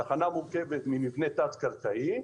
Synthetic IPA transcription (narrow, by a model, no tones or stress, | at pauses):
aχanamuʁkevet̪mimivne̞t̪at͡skaʁkai